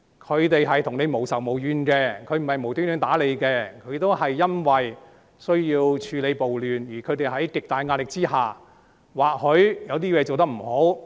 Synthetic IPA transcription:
kʰɵ˨˧ɥt̪e˨jɦɐ˨jt̪ʰʊ˨˩ŋne˨˧jmo˨˩wsɐ˨˩wmo˨˩wjyː˧nkɛː˧kʰɵ˨˧˥m̩˨˩hɐ˨˩jmo˨˩wt̪yː˥nyː˧˥nt̪aː˨˥le˨˧jkɛː˧kʰɵ˨˧ɥt̪o˥whɐ˨jːɐ˥nwɐ˨j | sɵ˥ɥjiː˧wt͡ʃʰyː˨˧le˨˧jpo˨wlyː˨njiː˨˩kʰɵ˨˧ɥt̪e˨˧jɦɐ˨˥jkɪ˨k̚t̪aː˨˧jŋaː˧˥nlɪ˨˩k̚t͡siː˥haː˨˩ | waː˨˩k̚hɵ˨˥ɥjɐ˨˧wt̪iː˥wɛ˨˧˥t͡so˨wt̪ɐ˥m̩˨˩ho˨˥w

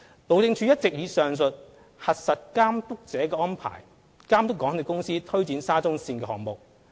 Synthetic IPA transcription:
lo˨wt͡sɪ˧ŋt͡ʃʰyː˨˧jɐ˥t̚t͡sɪ˨k̚jiː˨˧sœː˨ŋs̬ɵ˨t̚ | hɐ˨t̚sɐ˨t̚kaː˥mt̪ʊ˥k̚t͡sɛː˨˥kɛː˧ʔɔː˥npʰa̰ː˨˩j | kaː˥mt̪ʊ˥kːɔ˨˥ŋʰ˥˧˥kʊ˥ŋsiː˥t̪ʰɵ˥ɥt͡siː˨˥nsaː˥t͡sʊ˥ŋsiː˧nkɛː˧hɔ̰ː˨˩ŋmʊ˨k̚

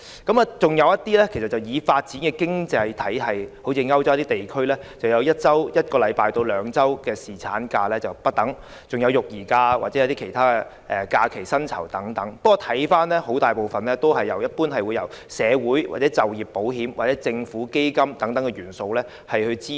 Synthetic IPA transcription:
kɐ˨˥maː˨t͡sʊ˨ŋjɐ˨˧wjɐ˥t̚t̪iː˥lɛː˥kʰe˨˩sɐ˨t̚t͡sɐ˨wjiː˨˧faː˧t̚t͡siː˨˥nkɛː˧kɪ˥ŋt͡sɐ˧jt̪ʰɐ˨˥jɦɐ˨jho˨˥wt͡sʰiː˧ŋɐ˥wt͡sɔ˥wt̪i˥t̪e˨jkʰɵ˥ɥlɛː˥t͡sɐ˨wjɐ˨˧wjɐ˥t̚t͡sɐ˥wjɐ˥t̚kɔː˧lɐ˨˧jpaː˧jt̪o˧wlœː˨˧ŋt͡sɐ˥wkɛː˧siː˨˩t͡sʰa̰ː˨˥nkaː˧lɛː˥t͡sɐ˨wpɐ˥t̚t̪ɐ˨˥ŋ | t͡sʊ˨ŋjɐ˨˧wjʊ˨k̚jiː˨˩kaː˧wa̰˨t̚ɛ˨˦jɐ˧˥t̪iː˥kʰe˨˩jt̪ʰaː˥kɛ˧ | ʔɛ˨kaː˧kʰe˨˩jsɐ˥nt͡sʰɐ̰˨˩wt̪ɐ˨˥ŋt̪ɐ˨˥ŋppɐ˥kwɔ˨˧t̪ʰɐ˨˥jfaː˥nlɛː˥ho˨˥wt̪aː˨˩jpo˨wfɐ˨˩nlɛː˥t̪o˥wɦɐ˨jːɐ˨˩wjɐ˥t̚puː˥nɦɐ˨jwu˨˧jɐ̰˨˩w | sɛː˨˧wuː˨˥jwa̰˨˩tt͡sɛː˨˥t͡sɐ˨wjiː˨pːo˨˥wɦiː˨˥mwʔaː˨t̚t͡sɛ˨˥t͡sɪ˧ŋfuː˨˥ke˥jkɐ˥mt̪ɐ˨˥ŋt̪ɐ˨˥ŋkɛ˧jyː˨˩nso˧wlɛː˥ | hɐ˨jhɵ˧t͡siː˥

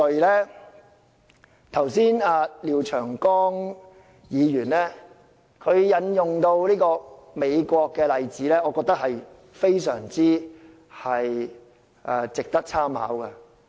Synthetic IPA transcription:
ɵ˨jlɛː˥ | t̪ʰɐ˨˩wsiː˥naː˨˧liː˨˧wt͡ʃʰœː˨˩ŋkɔː˥ŋ | jiː˨˧jyː˨˩nlɛː˥ | kʰɵ˨˧ɥjɐ˨˧njʊ˨ŋt̪o˧wliː˥kɔː˧ | me˨˧jkʷɔː˧kːɛː˧lɐ˨jt͡siː˨˥lɛː˥ɔː˨˧kɔː˧k̚t̪ɐ˥k̚hɐ˨j | fe˥jsœː˨˩ŋt͡siː˥ | hɐ˨j | ʔɛ˨t͡sɪ˨k̚t̪ɐ˥k̚t͡sʰaː˥mha̰ː˨˥wkɐ˧

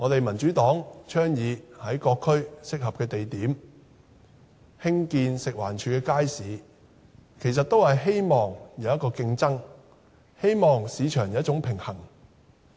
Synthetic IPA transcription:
ŋɔː˨˧t̪e˨jmɐ˨˩nt͡ʃyː˨˥t̪ɔː˨˥ŋt͡ʃʰœː˥ŋjiː˨˧hɐ˨˥jkɔː˧kʰːɵ˥ɥsɪ˥k̚hɐ˨p̚kɛː˧t̪e˨jt̪iː˨˥m | hɪ˥ŋkiː˧nsɪ˨k̚waː˨˩nt͡ʃʰyː˨˧kɛː˧kaː˥jsiː˨˥ | kʰe˨˩js̬ɐ˨t̚t̪o˥whɐ˨jɦe˥jmɔː˨ŋjɐ˨˧wjɐ˥tkɔː˧kɪ˧ŋt͡sɐ˥ŋ | he˥jmɔː˨ŋsiː˨˧t͡ʃʰœː˨˩ŋjɐ˨˦˥t͡sʊ˨˥ŋpʰɪ˨˩ŋhɐ˨˩ŋ

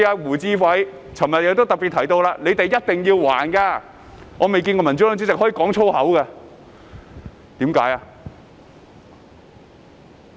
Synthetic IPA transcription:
aː˧wuː˨˩t͡siː˧fɐ˨˥j | t͡sʰɐ˨˩mjɐ˨t̚jɪ˨˧kt̪o˥wt̪ɐ˨k̚pi˨t̪ʰɐ˨˩jt̪o˧wlaː˧nle˨˧jt̪e˨jɐ˥t̚t̪ɪ˨ŋjiː˧wwa̰ː˨˩nkaː˧ | ŋɔː˨˧me˨jk̬iː˧nkɔː˧mɐ˨˩nt͡sy˨˥lœ˨˥t͡syː˥t͡sɪ˨k̚hɔ˨˥i˧˥kɔː˨˥ŋt͡ʃʰo˥whɐ˨˥wka˧ | t̪iː˨˥mkaː˨˥jaː˧

